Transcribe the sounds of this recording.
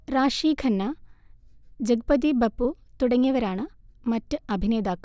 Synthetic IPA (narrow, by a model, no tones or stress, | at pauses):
ɾaːʂiːkʰɐnːa | d͡ʒɐɡɐpɐd̪̬ibɐpːut̪uɽɐŋːjɐʋɐɾaːɳɐmɐtːɨɐbʱineːd̪aːk